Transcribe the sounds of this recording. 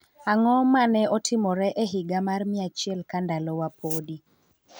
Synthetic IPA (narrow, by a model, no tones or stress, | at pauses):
aŋɔmanɛɔtʰɪmɔɾɛʔɛɦɪɡamarmɪat͡ʃjɛlkandalɔwapʰodi